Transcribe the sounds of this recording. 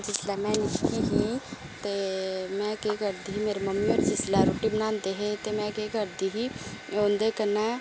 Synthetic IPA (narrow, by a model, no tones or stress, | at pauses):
d͡ʒɪslamɛ̃nɪkiɦĩ | t̪emɛ̃kekəɾd̪iɦimeːɾemɐmːiɔːɾsɪsɪlaɾoːʈibənaːnd̪eɦet̪emɛ̃kekəɾd̪iɦioːnd̪ekəna